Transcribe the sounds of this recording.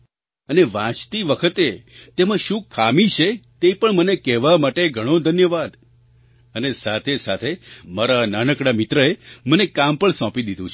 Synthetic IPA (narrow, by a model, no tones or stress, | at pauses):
əneʋãt͡ʃt̪iʋəkʰət̪et̪emãʃũkʰːamit͡ʃʰet̪epəɳmənekɛʋamaʈeɡʱəɽ̃õd̪ʱənjəʋad̪ | ənesat̪ʰesat̪ʰemaɾananəkɽamit̪ɾəemənekampəɳsɔ̃pid̪id̪ũt͡ʃʰ